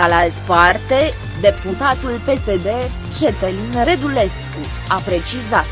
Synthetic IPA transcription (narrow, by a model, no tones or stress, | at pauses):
alalt̪part̪e̞ | d̪e̞put̪at̪ulpe̞se̞d̪e̞ | t͡ʃe̞t̪elinre̞d̪ule̞sku | apɾe̞t͡ʃizat̪